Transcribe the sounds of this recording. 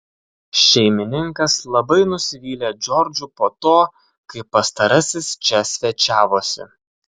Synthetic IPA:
ʃʲɛɪmʲɪnʲɪŋkɐslˠɐbɐɪnʊsʲɪʋʲiːlʲeːd͡ʒʲɔɾʲd͡ʒʲʊpoːt̪oː | kɐɪpːɐst̪ɐɾɐsʲɪst͡ʃʲɛsʲʋʲɛt͡ʃʲæːʋoːsʲɪ̰

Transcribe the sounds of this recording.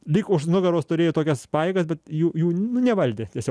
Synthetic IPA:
lʲikʊʃnʊɡɐɾoːst̪ʊɾʲeːjʊt̪oːkʲɛspɑːjeːɡɐsbʲɛt̪juːjuːnʊnʲɛʋɐlʲd̪ʲɪt̪ʲiɛsʲo

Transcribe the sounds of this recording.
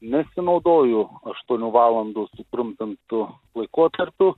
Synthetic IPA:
nʲɛsʲɪnɐʊd̪oːjʊɐʃt̪uɔnʲuːʋɑːlˠɐnd̪usʊp̪ɾʊmʲpʲɪnt̪ʊ | lˠɐɪkoɔt̪ɐɾʲpʲʊ

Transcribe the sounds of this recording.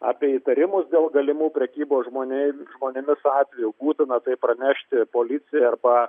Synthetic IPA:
ɑ̰ːpʲiɛiːt̪ɐɾʲɪmʊsd̪ʲeːlˠɡɐlʲɪmuːpʲɾʲɛkʲiːboːsʒmoːnʲɛʒmoːnʲɪmʲɪsɑːt̪ʲʋʲɛjubuːt̪ʲɪnɐt̪ɐɪpɾɐnʲæʃʲt̪ʲɪpoːlʲɪt͡s̪ʲɪjɛɐrbɐ

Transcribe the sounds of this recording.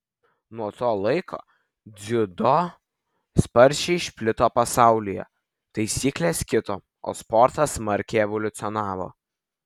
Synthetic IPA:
nuɔt̪oːlˠɐɪkʰo̰ː | d̪zʲɪd̪o | spɐɾʲʃʲɪɪʃʲpʲlʲɪt̪oːpɐsɑˑʊlʲɪjɛ̰ | t̪ɐɪsʲiːklʲeːskʲɪt̪o̰ː | o̰ːspɔɾt̪ɐsmɐɾʲkʲɛɛʋɔlʲʊt̪sʲɪɔnɑːʋo̰ː

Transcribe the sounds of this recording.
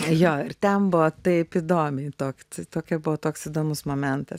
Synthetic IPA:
joːɪrt̪ʲɛnbʊʋɔt̪ɐɪpid̪oːmʲɛɪt̪oːkʲt̪t̪oːkʲɛbʊʋɔt̪oːksɪd̪oːmʊsmoːmʲɛnt̪ɐs

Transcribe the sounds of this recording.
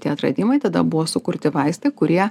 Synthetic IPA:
t̪ʲiɛɐt̪ɾɐ̰d̪ʲimɐɪt̪ɐd̪ɐ̰bʊʋoːsʊkʊɾʲt̪ʲɪʋɐɪst̪ɐɪkʊɾʲiɛ

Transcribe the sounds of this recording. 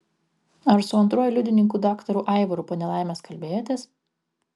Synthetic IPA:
ɐɾsʊɐnt̪ɾuɔjʊlʲʊd̪ʲɪnʲɪŋkuːd̪ɑːkt̪ɐɾuːʔɑˑɪʋɔɾupoːnʲɛlˠɑˑɪmʲeːskɐlʲbʲeːjoːt̪ʲeːs

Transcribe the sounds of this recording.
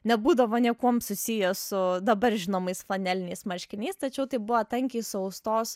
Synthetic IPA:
nʲɛbuːd̪ɐʋoːnʲiɛkuɔmsʊsʲijɛsʊd̪ɐbɐɾʒʲɪnoːmɐɪsflˠɐnʲælʲɪnʲɛɪsmɐɾʲʃʲkʲɪnʲɛɪst̪ɐt͡ʃʲɛʊt̪ɐɪbʊʋɐt̪ɐŋʲkʲiːsʊɐʊst̪oːs

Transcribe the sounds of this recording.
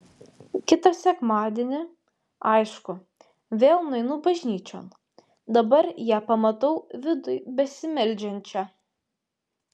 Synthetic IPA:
kʲɪt̪ɐsʲɛkmɑːd̪ʲeːnʲɪ | ɐɪʃkʊ | ʋʲeːlˠnɐɪnʊbɐʒʲnʲiːt͡ʃʲo̰ːn | d̪ɐbɐɾjæːpɐmɐt̪ɐʊʋʲɪd̪ʊjbʲɛsʲɪmʲɛlʲd͡ʒʲɛnʲt͡ʃʲæ

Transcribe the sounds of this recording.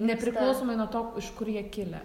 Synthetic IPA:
nʲɛpʲɾʲɪklˠɐʊsoːmɐɪnuɔt̪oːkɪʃkʊɾjiɛkʲɪlʲɛ̰

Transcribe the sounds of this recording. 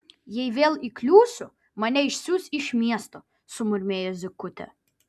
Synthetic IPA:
jɛɪʋʲeːlˠiklʲuːsʲʊ | mɐnʲɛɪʃʲsʲuːsʲɪʃʲmʲiɛst̪o | sʊmʊɾʲmʲeːjozʲɪkʊt̪ʲɛ̰

